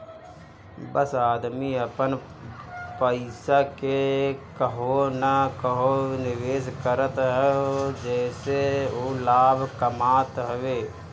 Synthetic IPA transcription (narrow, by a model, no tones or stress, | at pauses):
bəsaːd̪miəpən | pəɪsakekəɦonəkəɦonɪʋeːskəɾət̪ɦɛd͡ʒɛːseoːlaːbʱkəmaːt̪ɦəʋeː